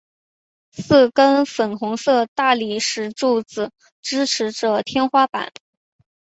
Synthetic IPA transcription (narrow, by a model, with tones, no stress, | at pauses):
sɹ̩˥˩kə˥nfə˨˩nxʊ˧˥ŋsɤ˥˧t̪a˥˩li˨˩ʂɻ̩˧˥ʈ͡ʂu˥˩t͡sɹ̩˩ | ʈ͡ʂɻ̩˥ʈ͡ʂʰɻ̩˧˥ʈ͡ʂɤ˨˩t̪ʰjɛ˥nxwa˥pa̰˨˩˦n